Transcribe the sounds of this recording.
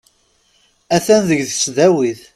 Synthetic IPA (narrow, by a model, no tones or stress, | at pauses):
æθænðəʝðəsðæwiθ